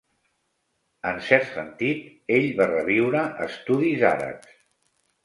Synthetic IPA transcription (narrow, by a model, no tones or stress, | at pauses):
ənsɛɾt̪sənt̪it̪ | eʎβarəβ̞iwɾəʔəst̪uðiza̰ɾə̰ps